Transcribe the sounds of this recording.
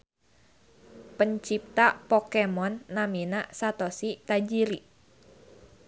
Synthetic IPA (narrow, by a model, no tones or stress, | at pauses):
pəɲt͡ʃip̚t̪apɔkemɔnːaminasat̪ɔsit̪ad͡ʒiɾi